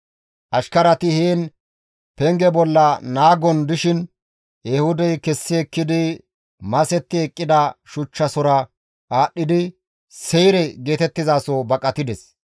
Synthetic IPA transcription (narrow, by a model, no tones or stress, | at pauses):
ʔɐʃkɐɾɐt̪ɪheːn | pɛŋɡɛbɔlːɐnaːɡɔnd̪ɪʃɪn | jɛhʊd̪ɛjkɛsːɪɛkːɪd̪ɪ | mɐsɛt̪ːɪɛkʼːɪd̪ɐʃʊt͡ʃːɐsɔɾɐ | ʔaːɗːɪd̪ɪ | sɛjɾɛɡe̞ːt̪ɛt̪ːɪzaːsobɐkʼɐt̪ɪd̪ɛs